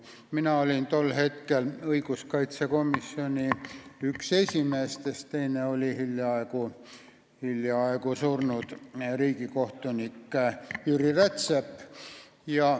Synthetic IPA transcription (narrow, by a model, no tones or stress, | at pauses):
minɑolʲint̪o̞lːhe̞t̪kelɤiɡuskɑjt̪seko̞misːio̞nʲiykse̞sʲime̞ːst̪est̪t̪ejneo̞lʲihiljɑɑeku | hiljɑɑˑekusurnud̪̥riːɡiko̞ht̪unikːˑyɾiret̪sepː | jɑ